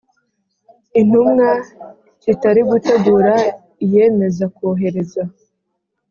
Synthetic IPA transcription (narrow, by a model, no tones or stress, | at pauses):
in̥humŋa | citaɾiɡuteɡuɾa | ije̞ːme̞zakoɦe̞ɾe̞za